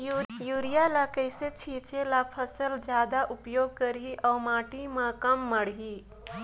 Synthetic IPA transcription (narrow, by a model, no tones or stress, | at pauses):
juːɾijalakəiset͡ʃʰiːt͡ʃelapʰəsəld͡ʒjaːd̪aʔʊpjoːɡ̚kəɾiʔɔːɾmãːʈimãkɐmːɐɽ̤ɦiː